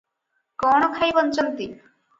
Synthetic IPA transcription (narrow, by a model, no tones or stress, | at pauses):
kɔɽ̃okʰajbɔnt͡ɕɔnt̪i